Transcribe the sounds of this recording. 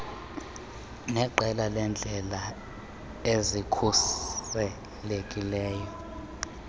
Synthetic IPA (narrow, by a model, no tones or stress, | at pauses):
nɛǃɛlalɛnd͡ɮʱɛla | ezikʰusɛ | lekʼilɛːjɔ